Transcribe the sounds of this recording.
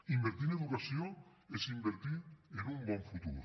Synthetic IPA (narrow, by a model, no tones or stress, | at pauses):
imbeɾt̪iɾneðukasjo | esimbeɾt̪iɾenũmbɔ̃ɱfut̪ṵɾ